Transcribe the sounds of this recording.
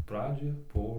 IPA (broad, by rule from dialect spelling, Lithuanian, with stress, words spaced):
ˈprɑːd͡ʒʲoːj ˈbuɔ